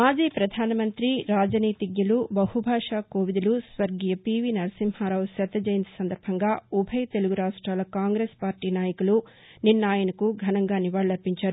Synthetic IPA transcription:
maːd͡ʒiːpɾɐd̪ʱaːnɐmɐnt̪ɾiɾaːd͡ʒɐniːt̪iɡjɐlubɐhubʱaːʂaːkoːʋid̪ulusʋɐɾɡijɐpiʋinɐɾɐsiːmhaːɾaːwsɐt̪ːɐd͡ʒɐːjint̪ɐ̥sɐnd̪ɐɾbʱɐŋɡaːubʱɐjt̪e̞luɡuɾaːʂʈɾaːlɐkaːŋɡɾeːspaːɾʈiːnaːjɐkulu | ninːaːjɐnɐkuɡʱɐnɐŋɡaːniʋaːɭɐlɐɾpiɲt͡ʃaːɾu

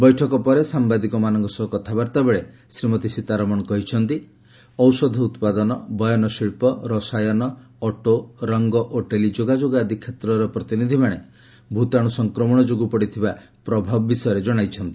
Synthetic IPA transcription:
bɔjʈʰɔkɔpɔɾesambad̪ikɔmanɔŋkɔsɔɔkɔt̪ʰabaɾt̪abeɭe | sɾimɔt̪isit̪aɾɔmɔɽ̃ɔkɔɦit͡ʃʰɔnt̪i | ɔwsɔd̪ʱɔut̪pad̪ɔnɔbɔjɔnɔsiɭpɔɾɔsajɔnɔː | ʈoɾɔŋɡɔʔoʈelid͡ʒoɡad͡ʒoɡad̪ʱikʰːet̪ɾɔɾɔpɾɔt̪inid̪ʱimaɽ̃e | bʱut̪aɽ̃usɔŋkɾɔmɔɽ̃ɔd͡ʒoɡupɔɽit̪ʰiba | pɾɔbʱabɔbisɔjɔɾed͡ʒɔɽ̃ajt͡ʃʰɔnt̪i

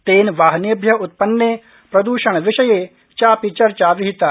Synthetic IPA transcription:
t̪eːnʋaːɦnebʱjɐʊt̪̚pɐnːe | pɾɐd̪uːʃɐɳ̃ʋɪʃɐje | t͡ʃaːpit͡ʃɐɾt͡ʃaːʋiɦit̪aː

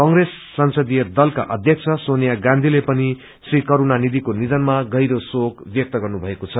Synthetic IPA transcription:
kʌŋresːʌnsʌd̪ijʌd̪ʌlka̰ʔʌd̪ʱjʌk̚t͡sʰʌsonjaɡãnd̪ʱilepʌni | srikʌɾunanid̪ikonid̪ʌnmaɡʌjɾosokbjʌk̚t̪ʌɡʌrnubʱʌekot͡sʰʌ

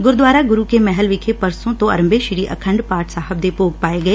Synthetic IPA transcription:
ɡʊɾd̪ʋaːɾaːɡʊɾuːkeːmɛɦəlʋɪkʰepəɾsõːt̪õːɐ̰ɾəmbeʃɪɾiːʔə̰kʰə̃ɳɖpaːʈsaːɦəb̚d̪eːpoːɡ̚paːeɡəeː

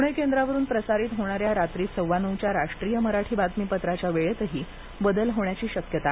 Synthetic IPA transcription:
uɳəjkend̪ɾaʋəɾuːnpɾəsaɾiːt̪ɦoɽ̃aɾjaɾat̪ɾiːsəwʋanəwt͡ɕjaɾaʂʈɾijəməɾaʈʰiːbat̪miːpət̪ɾat͡ɕjaʋeɭet̪əɦiː | bəd̪əlɦoɳjat͡ɕiːɕəkjət̪a

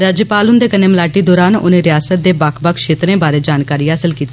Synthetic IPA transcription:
ɾaːd͡ʒəpaːlʊnd̪eːkəneːməlaːʈiːd̪ɔːɾaːno̰ːnẽːɾɪjaːsət̪̚d̪eːbaːkʰbəkʰʃeːt̪ɾẽːbaːɾeːd͡ʒaːnkaːɾiːɦaːsəlkiːt̪i

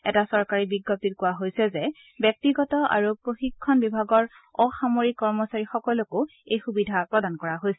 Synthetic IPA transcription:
ɛ̰tasɔɹkaɹibiɡːɔp̚titkʊwaɦojsɛzɛ | bjɔk̚tiɡɔtɔa̰ɹupɹoxikʰːɔnbibʱaɡɔɹ | ɔxamoɹikːɔɹmɔsaɹixɔkɔlokʊejxubidʱapɹɔdankɔɹaɦojsɛ

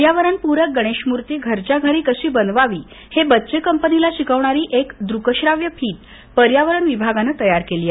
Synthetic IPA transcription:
jaʋəɾəɳpuɾəɡəɽ̃eɕmuɾt̪eɡʱəɾt͡ɕaɡʱaɾiːkəɕiːbənd̪ʋaʋiː | hebətːsekəmpənilaɕikəʋɳaɾiːʔekd̪ɾukəɕɾaʋjəpʰiːʈ | pəɾjaʋəɾəɳʋibʱaɡanət̪əjaɾkeliː

